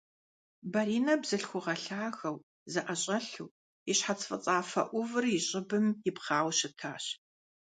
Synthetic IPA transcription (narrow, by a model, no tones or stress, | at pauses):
bɐɾiːnɐbzɨɬxʷʊʁɐɬaːxɐw | zɨʔɐɕʼɐɬṵː | ɪɕħat͡sʰfʼɐt͡sʼaːfɐʔʷʊvɨrjɪɕʼɪbɨmjɪpχaːwʃɪtʰaːɕ